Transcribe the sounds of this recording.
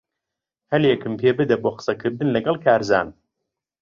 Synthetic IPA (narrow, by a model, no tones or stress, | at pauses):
hɐljɛkʰɨmpʰeːbɨd̪ɐboːqɨ̥sɐkʰɨɾd̪ɨnlɐɡɐlˠkʰaːɾza̰ːn